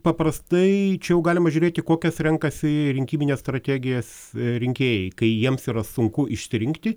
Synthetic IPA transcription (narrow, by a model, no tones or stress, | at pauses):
pɐpɾrɐst̪ɐɪt͡ʃʲɛjɛʊɡɑːlʲɪmɐʒʲʊɾʲeːt̪ʲɪkoːkʲɛsɾʲɛŋkɐsʲɪɾʲɪŋʲkʲiːmʲɪnʲeːsst̪ɾɐt̪ʲæːɡʲɪjos | ɾʲɪŋʲkʲeːjɛɪkɐɪjiɛmsiːɾɐsʊŋkʊʔɪʃʲsʲɾʲɪŋkt̪ʲɪ